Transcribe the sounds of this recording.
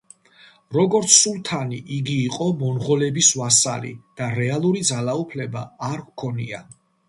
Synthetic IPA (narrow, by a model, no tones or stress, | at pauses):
ɾɔɡɔɾt̪sʰːulˠt̪ʰaniʔiɡiːqʼɔmɔnʁɔlɛbiswasa̰lḭd̪̥aɾɛalˠuɾid̪zalaupʰlɛba̰ːɾvkʰɔnia̰